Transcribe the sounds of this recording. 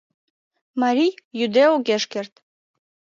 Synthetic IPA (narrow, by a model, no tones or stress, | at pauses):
mɑɾʲijjyd̪eoɡeʃkert̪